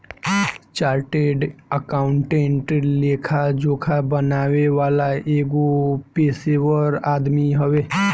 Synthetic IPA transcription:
t͡ʃaːɾʈeɖəkaːʊɳʈẽːɳʈleːkʰad͡ʒoːkʰabənaːweʋaːlaeːɡopeːsewəɾaːd̪miɦəwe

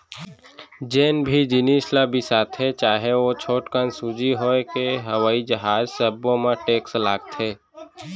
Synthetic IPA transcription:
d͡ʒeːnbʱid͡ʒɪnislabʱisaːt̪ʰɦet͡ʃaːɦeot͡ʃʰoːʈkənsud͡ʒiɦokeɦəʋaːid͡ʒəɦaːzsəbːõmẽʈeːkslaːɡt̪ɦeː

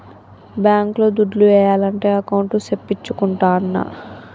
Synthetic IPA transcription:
bjaːŋklo̞ːd̪uɖluʋɛːjaːlɐɳʈe̞ːɐkɐwɳʈusepːit͡ʃːukuɳʈaːnːɐ̰

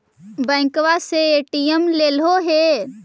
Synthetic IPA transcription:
bə̃ɪ̃ŋkʋaseeʈiəmlelɦoɦe

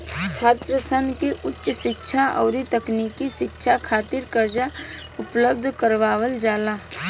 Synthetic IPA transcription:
t͡ʃʰaːt̪ɾəsənkiʔʊtːʃʃɪtːʃʰaʔɔːɾit̪ɐkniːkiʃɪtːʃʰakʰaːt̪ɪɾkəɾd͡ʒa | ʊpləb̚d̪ʱkəɾʋaːʋəld͡ʒaːlaː

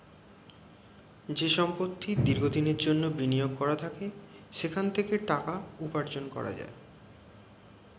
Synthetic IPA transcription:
d͡ʑeʃɔmpot̪ʰːid̪iɾɡʱod̪ineɾd͡ʑonːobinijoɡ̚kɔɾat̪ʰake | ʃekʰant̪ʰekeʈakaupaɾd͡ʑonkɔ̰ɾa̰d͡ʑa̰e

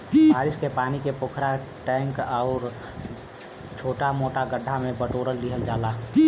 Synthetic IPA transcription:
baːɾɪskepaːnikepokʰɾa | ʈɛ̃ːŋkɔʊɾ | t͡ʃʰoːʈamoːʈaɡəɖʱamẽbəʈoːɾəlːiɦəld͡ʒaːlaː

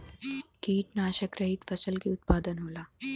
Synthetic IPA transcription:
kiːʈnaːʃəkɾɐɦit̪fɐsəlkiʊt̪̚paːd̪ənɦoːlaː

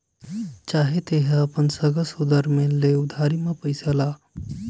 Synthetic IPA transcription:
t͡ʃaɦet̪eɦeəpənsəɡəsud̪əɾmeleud̪ʱaɾimepəjsəla

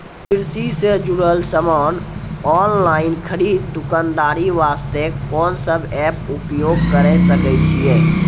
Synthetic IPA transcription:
pɪɾsised͡ʒuɽəlsəmaːnɔːnlaːɪnkʰəɾiːd̪̚t̪ukand̪aːɾiʋaːst̪eɔːnsəbʱɛpupjoːɡ̚kəɾɛsəkɛt͡ʃʰijɛː

